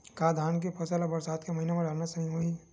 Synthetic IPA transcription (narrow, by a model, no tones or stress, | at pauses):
kaːd̪ʱaːnk̬epʰɐsalabɐɾsaːd̪kemɐɦinemẽɖaːɾnasɐɦĩɦoi